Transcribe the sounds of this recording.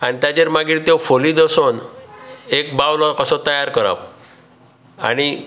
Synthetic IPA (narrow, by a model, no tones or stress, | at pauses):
añit̪jad͡ʑeɾmaɡiɾt̪jofoliːd̪əson | ekbawlɔkəsɔt̪əjaɾkəɾa̰p | a̰ɽ̃i